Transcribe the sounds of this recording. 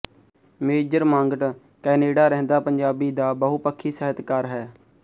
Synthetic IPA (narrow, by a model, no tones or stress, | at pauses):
meːd͡ʒəɾmãːŋɡəʈ | kɛːneːɖaːɾɛɦnd̪aːpəɲd͡ʒaːbiːd̪aːbəɦupəkʰːiːsəɦət̪kaːɾɦɛː